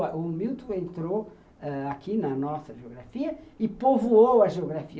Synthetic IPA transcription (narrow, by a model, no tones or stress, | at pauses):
ʔʊmiwt̪ũẽnt̪ɾo | ɛakinɐnɔsɐʒeoɣɾafiɐɪpovuowɐʒeoɣɾafi